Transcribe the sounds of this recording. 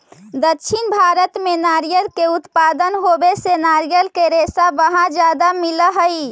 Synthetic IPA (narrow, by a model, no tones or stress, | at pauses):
d̪ətːʃʰinbʱaɾət̪menaɾijəlkeut̪pad̪ənɦobesenaɾijəlkeɾesabəɦãd͡ʒad̪amiləɦəi